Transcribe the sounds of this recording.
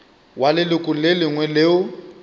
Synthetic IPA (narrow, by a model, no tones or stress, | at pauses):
walɪlɪkʼʊlelɪŋwɛleːʊ